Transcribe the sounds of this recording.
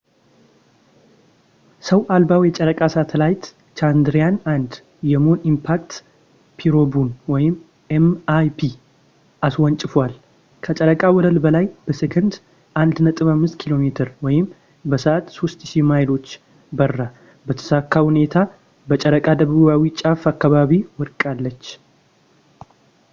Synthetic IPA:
səwʔalbawjɛt͡ʃʼəɾəkʼasat̪ʰəlajt̪ | t͡ʃand̪ɾijanand̪ | jɛmho̞nimpʰak̚t̪ | pʰiɾo̞bunwɔjɪm | emajpʰi | ʔaswɔnt͡ʃʼɪfwal | kʰət͡ʃʼəɾəkʼawɔd̪əlbəlajb̥əsɨkʰɨnd̪ | ʔand̪nət̪ʼɨβamːɨst̪kʰilo̞met̪ʰɨɾwɔjɪm | bəsəʔat̪so̞st̪ʃimajlo̞t͡ʃː | bərːa | bət̪ʰə̥sakʰːahune̞t̪ʰa | bət͡ʃʼəɾəkʼad̪əβuβawit͡ʃʼafakːaβaβiwɔɾkʼalːət͡ʃː

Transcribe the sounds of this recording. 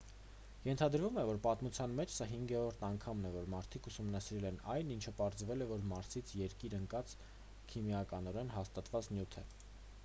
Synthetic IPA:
jɛnt̪ʰɑd̪ɾvumɛvɔɾpɑt̪mut͡sʰjɑnmɛt͡ʃʰsɑɦiŋɡɛɾɔɾt̪ʰɑŋkʰɑmnɛvɔɾmɑɾt̪ʰikʰusumnɑsiɾɛlɛnɑjnint͡ʃʰəpɑɾzvɛlɛvɔɾmɑɾsit͡sʰjɛɾkiɾəŋkɑt͡s | kʰimjɑkɑnɔɾɛnɦɑst̪ɑt̪vɑt͡snjut̪ʰɛ

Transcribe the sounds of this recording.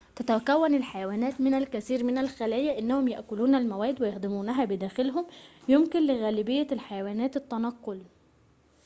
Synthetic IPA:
t̪æt̪ækæwːænɪlħajawæːnæːt̪mɪnælkæθiːɾmɪnælxælæːjæʔɪnːæhʊmjaʔkʊluːnælmæwæːd̪wɪjaxd̪ɪmuːnæɦæbɪd̪æːxɪlɦʊmjʊmkɪnlɪɣæːlɪbɪjːælħajawæːnæːt̪ɪt̪ːænɑqːol

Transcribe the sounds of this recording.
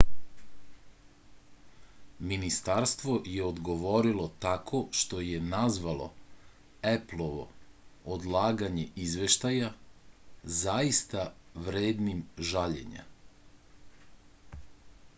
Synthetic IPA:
minist̪aɾst̪ʋo̞jeod̪ɡo̞ʋo̞ɾilo̞t̪akʰo̞ʃt̪o̞jenazʋalo̞̰ | eplˠoʋo̞̰od̪lˠaːɡaɲe̞izʋe̞ʃt̪aja | zaist̪aʋɾeːd̪nimʒaʎe̞̰ɲa̰

